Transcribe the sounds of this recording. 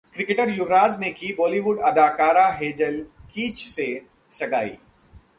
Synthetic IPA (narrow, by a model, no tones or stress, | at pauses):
kɾɪkeʈəɾjʊɾɾaːznẽkibɔːliʋʊɖɐd̪aːkaːɾaɦeːd͡ʒəlkiːt͡ʃse | sɐɡa̰ːḭː